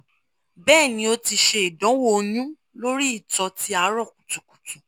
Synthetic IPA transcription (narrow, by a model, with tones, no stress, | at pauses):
bɛː˦˨nĩ˧o˧ti˧ʃe˧i˨dɔ̃˨˦wo˦˧nũ˦ | lo˦ɾi˦i˦˨tɔ˧ti˦a˧˨˦ɾɔ˦˨k̚u˨tu˨ku̥˨tu˨